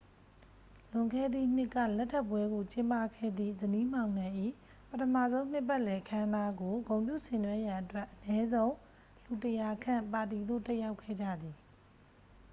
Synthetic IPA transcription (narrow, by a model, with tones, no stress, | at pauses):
lʊ̃˨ŋkʰɛ˦˨d̪ðḭ˦˨n̥ɪ˦ʔkːä̰˦˨lɛ˦tʰːɛ˦˨pwɛ˦ɡo˨t͡ɕɪ̃˦mpa˦˨kʰɛ̰˦˨d̪ðḭ˦˨zəni˦m̥ã˨ʊ̃nã˨ʔḭ˦˨ | pətʰəmä̰˦˨zõ˦ʊ̃m̥ɪ˦˨pːɛ˦ʔlɛ˨ʔəkʰã˦nda˦ɡo˨ɡõ˨ʊ̃mpjṵ˦˨sɪ̃˨nwɛ˦ja˨ʔətwɛ˦ʔənjɛ˦zõ˦ʊ̃ | l̥u˨təja˨kʰã˦˨mpa˨t̬i˨d̪o̰˦˨tɛ˦ʔja˦ʊkʰːɛ̰˦˨d͡ʑä̰˦˨d̪i˨